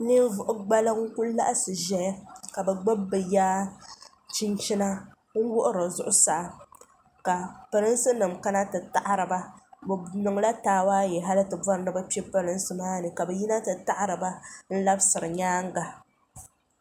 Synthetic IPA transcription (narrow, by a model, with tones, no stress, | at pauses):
nɨ˦vʊ˨ʔʊ˦ɡ͡ba˦lɨ˦ŋ̩˦kʊ˦lla̰˦ʔsɨ˨ʒɛ˦ja˦ka˨bɛ˨ɡ͡ba˦bːɨ˨jaː˦ | t͡ʃi˦nt͡ʃi˦na˦ | ŋ̩˦wʊ˦ʔʊ˦ɾɨ˨zʊ˦ʔʊ˦sa˨ʔ | ka˨pɨ˨ɾɨ˦n˦sɨ˦nɨ˨mka˦na˦tɨ˨ta˨ʔa˦ɾɨ˨ba˦bnɨ˨ŋla˦taː˦waː˦jɛ˨ɦa˦lɨ˦tɨ˨bɔ˦ɾɨ˦nɨ˦bɛ˦pi˦ɛ˦pɨ˦ɾɨ˦n˦sɨ˦maː˦nɨ˨ka˨bɛ˨ji˦na˦tɨ˨ta˦ʔa˦ɾɨ˨ba˦n̩˦la˦bsɨ˨ɾɨ˨ɲaː˦ŋ˦ɡa˨